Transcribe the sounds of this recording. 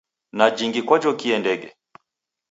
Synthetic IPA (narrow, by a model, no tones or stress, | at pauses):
nad͡ʒiŋɡikwad͡ʒɔkiɛndɛɡɛ